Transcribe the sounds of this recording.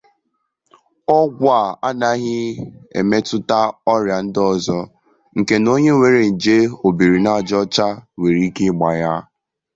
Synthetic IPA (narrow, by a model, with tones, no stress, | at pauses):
ɔ˦ɡʷa˦˨a˦na˦ɣɪ˦ḛ˨me˦tʊ˦ta˦ɔ˦ɾja˨n̩˦dɔ˨zɔ˦ | ŋ̩˨ke˦no˦ɲe˦ŋʷe˨ɾe˨n̩˨d͡ʒe˦o˨bi˨ɾi˨na˦˨d͡ʒɔ˦t͡ʃa˦we˨ɾi˦ke˦ɡ͡ba˨ja˦